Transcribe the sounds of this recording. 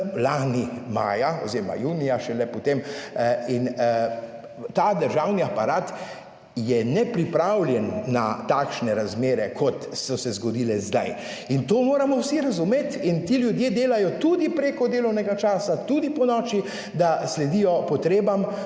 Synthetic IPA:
laːnima̰ːjaɔ̰zeːɾma̰juːnijaʃɛlɛpɔt̪emin | t̪aːd̪əɾʒawniapaɾaːt̪ | jɛnɛpɾipɾawljɛnːat̪aːkʃnɛɾazmeːɾɛkʰɔt̪sɔsɛzɡɔd̪iːlɛzd̪aj | int̪oːmoːɾamɔwsiɾazumeːt̪int̪iːljud̪jeːd̪eːlajɔt̪ud̪ipɾekɔd̪eːlɐwnɛɡat͡ʃaːsat̪ud̪ipɔnɔːt͡ʃi | d̪aslɛd̪ijɔpɔt̪ɾeːbam

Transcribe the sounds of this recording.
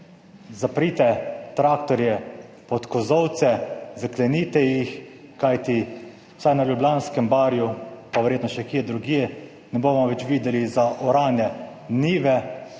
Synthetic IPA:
zapɾiːt̪ɛt̪ɾaːkt̪ɔɾjɛ | pɔt̪kɔzɔwt̪sɛzaklɛniːt̪ɛjixkajt̪i | wsajnaljublʲjaːnskɛmbaːɾjupaʋɛɾjeːt̪nɔʃɛkiːɛd̪ɾuɡiːjɛ | nɛboːmɔʋɛt͡ʃʋiːd̪ɛlizaʔɔɾaːnjɛ | niːʋɛ

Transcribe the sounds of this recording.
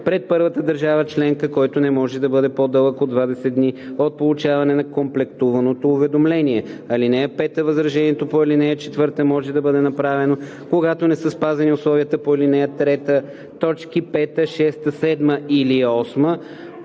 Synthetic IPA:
pɾɛt̪̚pɤɾvət̪əd̪ɐɾʒavət͡ʃlɛŋkəkɔjt̪onɛmɔʒɛd̪ɐbɤd̪ɛpod̪ɤlˠəkod̪vad̪ɛsɛd̪niot̪̚polˠut͡ʃavɐnɛnɐkomplɛkt̪uvɐnot̪oːvɛd̪omlɛniɛɐlinɛjəpɛt̪əvɐzɾɐʒɛniɛt̪opoɛlinɛjət͡ʃɛt̪vɤɾt̪əmɔʒɛd̪ɐbɤd̪ɛnɐpɾavɛno | koɡat̪onɛsəspazɐniʊslˠɔviət̪əpoɛlinɛjət̪ɾɛt̪ə | t̪ɔt͡ʃkipɛt̪əʃɛst̪əsɛd̪məiliɔsmə

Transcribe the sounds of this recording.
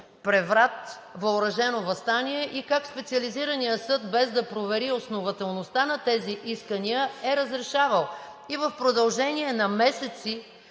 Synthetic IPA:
pɾɛvɾat̪ | vɐʊɾɐʒɛnovɐst̪aniɛʔikakspɛt̪siəliziɾənijəsɤd̪̚bɛzd̪ɐpɾovɛɾiosnovɐt̪ɛlˠnost̪anɐt̪ɛziʔiskəniəɛɾəzɾɛʃavəlˠ | ivəfpɾod̪ɐlˠʒɛniɛnɐmɛsɛt̪si

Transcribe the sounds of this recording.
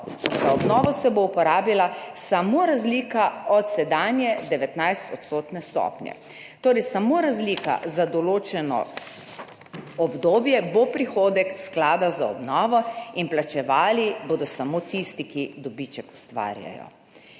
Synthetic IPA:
zaɔbnɔːʋɔsɛboupɔɾaːbilasamoɾazlikaɔt̪sɛd̪aːnjɛd̪ɛʋɛt̪najst̪ɔt̪st̪oːt̪nɛst̪ɔ̰pnjɛ̰ | t̪oːɾɛɪsamoɾazlika̰zad̪ɔloːt͡ʃɛnɔ̰ | ɔbd̪oːbjɛbopɾixoːd̪ɛksklaːd̪azaɔ̰bnɔːʋɔinplat͡ʃɛʋaːliboːd̪ɔsamot̪ist̪ikid̪ɔbit͡ʃɛku̥st̪ʋa̰ːɾja̰jɔ̰

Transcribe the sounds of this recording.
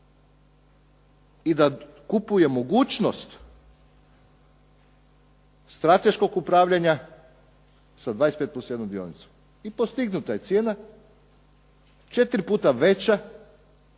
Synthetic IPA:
id̪a | kupuje̞mo̞ɡuːt͡ʃnost̪ | st̪ɾat̪e̞ʃko̞kupɾaːʋʎʲaɲa | sad̪ʋaːjespet̪posojenomd̪io̞̰nit̪su̥ | ipost̪iɡnut̪aje̞t̪sjeːna | t͡ʃe̞t̪ɾipuːt̪aʋe̞t͡ɕa

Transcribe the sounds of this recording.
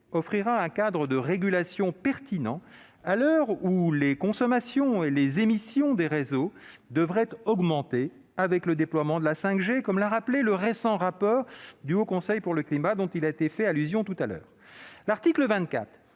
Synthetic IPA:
ɔfχiʁaɛ̃kad̪ʁəd̪əʁeɡʲylasjɔ̃pɛʁt̪inɑ̃ | alœʁulekɔ̃sɔmasjɔ̃elezemisjɔ̃d̪eʁezod̪əvʁɛt̪ɔɡmɑ̃t̪e | avɛkləd̪eplwamɑ̃d̪əlasɛ̃kʒekɔmlaʁapleləʁesɑ̃ʁapɔːʁd̪yokɔ̃sɛjpuʁləklimad̪ɔ̃t̪ilaet̪efɛalyzjɔ̃t̪ut̪alœ̰ːʁ | laʁt̪ikləvɛ̃t̪̚kʲa̰t̪χ

